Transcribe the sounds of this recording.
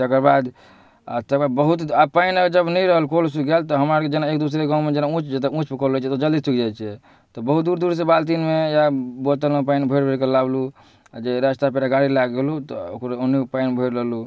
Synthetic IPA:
t̪ekəɾbad̪ | a̰t̪əkabəɦut̪apainaɡd͡ʒəbnəjɾəɦəlkolsukɡelt̪ɔɦəmɾaɾked͡ʒenaek̚d̪usɾeɡãũmed͡ʒenaũt͡ʃd͡ʒet̪eũt͡ʃpukələt͡ʃʰɛt̪od͡ʒəld̪isukd͡ʒajt͡ʃʰɛ | t̪ɔbəɦut̪̚d̪uɾd̪uɾs̬ebalt̪̬inmejabot̪əlẽpainbʱəɪɾbʱeɾkelablu | d͡ʒeɾəst̪apeɾaɡaɽilaɡelut̪ɔokɾonːipainbʱəɪɾɾəɦlu

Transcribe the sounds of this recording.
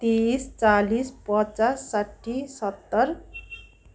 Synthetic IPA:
t̪ist͡salispʌt͡sasːaʈʰːisʌt̪ːʌr

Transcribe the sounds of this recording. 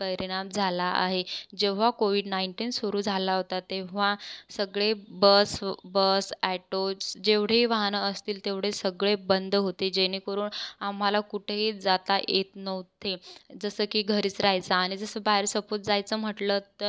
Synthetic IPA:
pəɾiɽ̃amd͡zʱalaʔa̰ɦed͡ʑeʋ̤akoʋiɖnaiɳʈiːnsoɾuːd͡zʱalaɦot̪at̪eʋ̤asəɡɭebəsbəsæʈot͡sd͡ʑeʋɽ̤eiʋaɦnəəst̪iːlt̪eʋɽ̤esəɡɭebənd̪ɦot̪ed͡ʑeñiːkəɾuːnam̤alakuʈʰeɦid͡zat̪ajʔet̪nəʋt̪ed͡zəsəːkiːɡʱəɾiːt͡sɾajt͡saːɽ̃id͡zəsəːbaɦeɾsəpot̪̚d͡zajt͡səːm̤əʈlət̪ːəɾ

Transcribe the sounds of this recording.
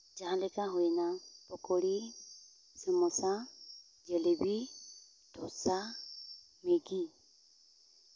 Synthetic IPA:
d͡ʒaɦãlɛkaɦɔjɛnapɔkɔɽi | sɛmɔsa | d͡ʒɛlɛbi | d̪ʰʱɔsa | meɡi

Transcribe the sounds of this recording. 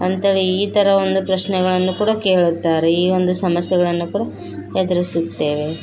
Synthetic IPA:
ɐnt̪ɐɭiiːt̪ɐɾɐo̞nd̪upɾɐʃnɛɣɐɭɐnːukuːɽɐke̞ːɭut̪ːaːɾeiːo̞nd̪usɐmɐsjɛɡɐɭɐnːukuːɽɐ | hɛd̪ɐɾisut̪ːe̞ːʋe

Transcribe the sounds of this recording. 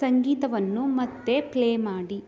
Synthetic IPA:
sɐŋɡiːt̪ɐʋɐnːumɐt̪ːe̞pleːmaːɽi

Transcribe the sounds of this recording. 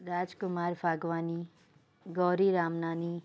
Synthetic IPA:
ɾaːd͡ʒkʊmaːɾbaːɡʋaːni | ɡɔːɾiɾaːmnaːni

